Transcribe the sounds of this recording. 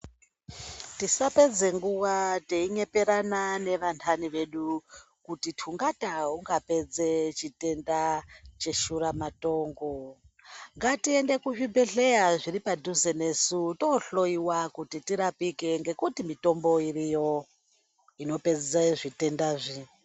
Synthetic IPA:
tisape̞d͡ze̞ŋɡuʋate̞iɲe̞pe̞ɾanane̞ʋantʰaniʋe̞ɗu | kutitʰuŋɡataɦuŋɡape̞d͡ze̞t͡ʃite̞ndat͡ʃe̞ʃuɾamato̞ːŋɡo | ŋɡatie̞nde̞kuʐibe̞ɮe̞jaʐiɾipadʱuzene̞sutoɬo̞iwakutitiɾapike̞ŋɡe̞kutimito̞mbo̞iɾijo̞ | ino̞pe̞d͡zezaiʐite̞ndaːʐi

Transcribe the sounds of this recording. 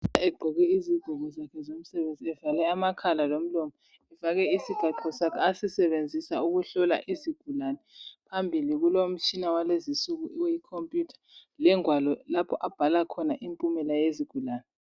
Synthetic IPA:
aɛɡ͡ǃʱɔɣɛiziɡ̥ʱuɣɔzakʰɛzom̩sɛβend͡zʱiɛvalɛamakʰalalom̩lɔmɔ | ɛvaɣɛisiɡ̥ʱaǁʰʱɔsakʰɛasisɛβend͡zʱisauɣuɬɔla̰ʔiziɡ̥ʱulanɛpʰambʱiliɣulom̩t͡ʃʼʰinawalezisuɣuʔwejikʰompʼjutʰḁlɛŋwalɔlapʰɔʔab̥ʱalakʰɔnaʔimpʼumɛlajeziɡ̥ʱulaːnɛ

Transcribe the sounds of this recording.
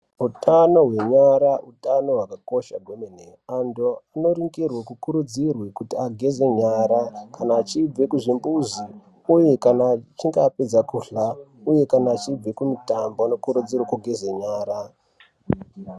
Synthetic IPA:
utano̞ɦwe̞ɲaɾautano̞ɦwakako̞ʃaɡʱomeneandoano̞ɾiŋɡirwakukuɾud͡zirwekutiaɡʱe̞ze̞ɲaːɾakanaːt͡ʃib͡ve̞kuʐimbuzi | uje̞kanat͡ʃiŋɡaped͡zakuɬauje̞kanaːt͡ʃib͡ve̞kumitamboano̞kuɾud͡zirwakuɡʱezeɲaːɾa

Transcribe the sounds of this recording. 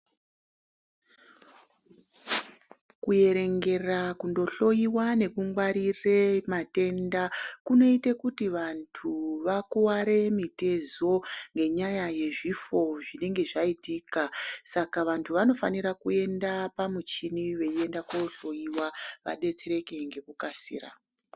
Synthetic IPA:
kuje̞ɾe̞ŋɡe̞rakundo̞ɬo̞jiwane̞kuŋɡwaɾiremate̞ndakuno̞itekutiʋantʰuʋakuwaɾe̞mite̞zo̞ŋɡe̞ɲajaje̞ʐifo̞ʐine̞ŋɡe̞ʐaitikasakaʋantʰuʋano̞faniɾakue̞ndapamut͡ʃiniʋe̞ie̞ndakoɬo̞jiwaʋa̰ɗe̞t͡seɾe̞ke̞ŋɡe̞kukasḭːra̰

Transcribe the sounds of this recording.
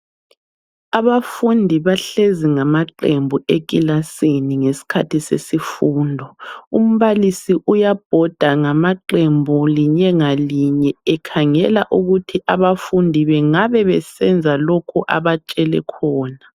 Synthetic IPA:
aβafundʱiβaɬeziŋamaǃembʱuek̬ʼilaseniŋesi̥kʰa̰tʰisḛsifuːndʱɔum̩βalisiʔujab̥ʱɔd̥ʱaŋamaǃembʱuliɲɛŋaliɲɛɛkʰaŋɛlaʔuɣutʰiʔaβafundʱiβɛŋaβɛβɛsɛnd͡zʱalokʰuʔa̰βat͡ʃʼɛlɛ̰kʰɔːna

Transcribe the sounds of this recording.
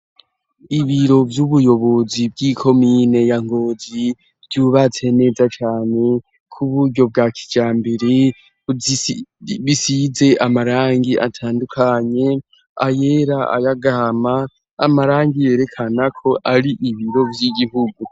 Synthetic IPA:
iβiɾo̞vjuβujo̞βo̞zib̚ɡikʰo̞miːne̞jaŋɡo̞ːzi | vɟuːβat͡se̞ne̞ːzat͡ʃaːne̞ | kʰuβuɾɟo̞bɡakʰi̥d͡ʒaːmbeɾe | βisize̞ʔamaɾaːŋɡiʔa̰tʰaːndukʰaɲe̞ | a̰je̞ɾaa̰jaɡamaː | maɾaːŋɡije̞ɾe̞kʰanakʰo̞ʔaɾiʔiβiɾo̞vjiɡiɦuɡu

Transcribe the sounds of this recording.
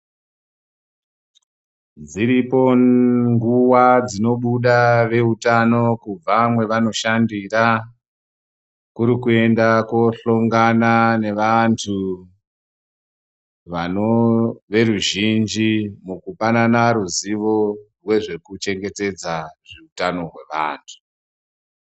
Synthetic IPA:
d͡ziɾipo̞ŋɡuwad͡zino̞ɓuɗaʋe̞utano̞kub͡vamwe̞ʋano̞ʃandira | kuɾikue̞ndakwo̞ɬoŋɡanane̞ʋantʰu | ʋanoʋe̞ruʒind͡ʒimukupananaɾuziʋo̞rwe̞ʐe̞kut͡ʃe̞ŋɡe̞te̞d͡zaʐiutano̞rwe̞ʋa̰ːntʰu̥

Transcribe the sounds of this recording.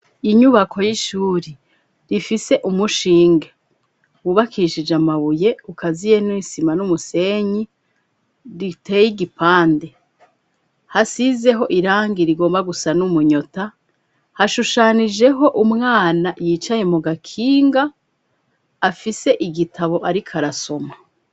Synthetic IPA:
iɲuβakʰo̞jiʃuːɾi | ɾifise̞ʔumuʃiːŋɡe | uβakiʃid͡ʒamaβuje̞ukʰazije̞nisimanumuse̞ɲi | ɾite̞ːjiɡipaːnde̞ | hasize̞ɦo̞ʔiɾaːŋɡiɾiɡo̞ːmbaɡusanumuɲo̞ta | haʃuʃanid͡ʒe̞ɦo̞ʔumŋaːnajiːt͡ʃaje̞muɡakʰiːŋɡa | fise̞ʔiɡitʰaβo̞ʔaɾikʰaɾaso̞ma

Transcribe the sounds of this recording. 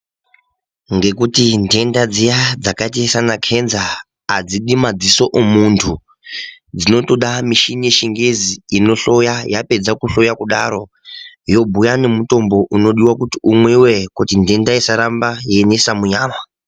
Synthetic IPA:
ŋɡe̞kutinde̞ndad͡zijad͡zakatijesanakʰe̞nzaː | d͡ziɗimad͡ziso̞ʔomuntʰu | d͡zino̞to̞ɗamiʃinijeʃiŋɡeziino̞ɬo̞jajape̞d͡zakuɬo̞jakuɗaɾo̞ | jo̞bʱujane̞muto̞mbo̞ʔuno̞ɗiwakutiumwewe̞kutinde̞ndaisaɾambajenesamuɲaːma

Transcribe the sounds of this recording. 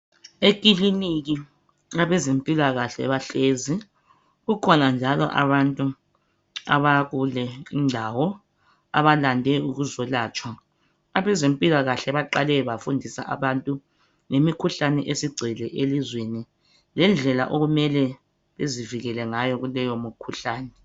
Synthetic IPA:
ek̬ʼiliniɣi | aβɛzempʼilaɣaɬɛβaɬezi | ɣukʰɔnand͡ʒʱalɔ̰ʔa̰βantʼu | a̰βaɣulɛindʱawɔ | a̰βalandʱɛuɣuzɔlaːt͡ʃʼwa | aβɛzempʼilaɣaɬɛβaǃalɛβafundʱisa̰ʔa̰βantʼu | ŋemikʰuɬanɛʔesiɡ͡ǀʱɛlɛʔelizweni | lɛnd͡ɮʱɛla̰ʔoɣumɛlɛ | βeziviɣɛlɛŋajɔɣulɛjomukʰuɬaːnɛ

